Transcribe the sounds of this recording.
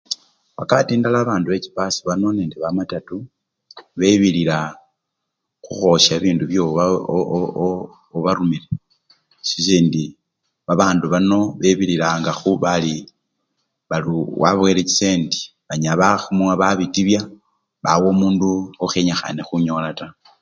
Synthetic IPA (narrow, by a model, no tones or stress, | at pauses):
βakaβatiːndalaːβaːnduβeci̥pasiβano̞neːndeβamatatu | βe̞βilila | xuxo̞ʃaβiːnduβjoa | oβaɾumile | sis̬iːndi | βaβaːnduβano̞βeβililaŋɡaxuβali | βaluwa̰βwelet͡ʃi̥seːndi̥ | βaɲaβaxumaβaβitiβja | βawo̞ːmuːnduoxeɲaxa̰nexuɲo̞lata